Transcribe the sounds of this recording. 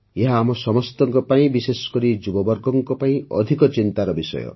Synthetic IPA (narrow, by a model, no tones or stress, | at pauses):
eɦaːmɔsɔmɔst̪ɔŋkɔpaĩbisesɔ̥kɔɾid͡ʒubɔbɔɾɡɔŋkɔpaĩʔɔ̰d̪ʱikɔt͡ʃint̪aɾɔbisɔ̰jɔ̰